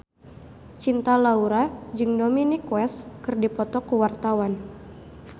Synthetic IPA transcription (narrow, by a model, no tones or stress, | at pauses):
t͡ʃint̪alauɾad͡ʒɨŋdominikwɛskɨrdipɔt̪ɔkuwart̪awan